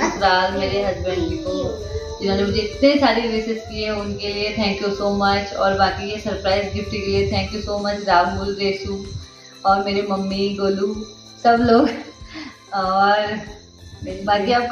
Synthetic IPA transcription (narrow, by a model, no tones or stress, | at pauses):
sɾaːlmeːɾeɦɐzbə̃ɳɖiko | d͡ʒɪnõd͡ʒemʊd͡ʒeɪt̪nesaːɾiɾesɪsk̪iɛʊnkeliet̪ʰɛ̃ːŋkjusoːmɐt͡ʃɔ̰ːɾbaːkiɦɛsɐɾpɾaːɪzɡɪfʈikeliet̪ʰɛ̃ːŋkjusoːmɐt͡ʃɾaːbmʊlɾeːsuː | ɔːɾmeːɾemɐmːiɡoːlu | sɐbloːɡ | ɔːɾ | baːkija